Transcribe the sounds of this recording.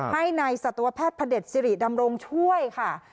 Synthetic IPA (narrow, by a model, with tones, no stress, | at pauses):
ha˥˩jnaː˧jsa˨˩t̪ːa˧wa˧˥pʰɛː˥˩t̪̚pʰa˧de˨˩t̪̚si˧ɾi˨˩da˧mɾo˧ŋt͡ɕʰu˥˩əjkʰa˥˩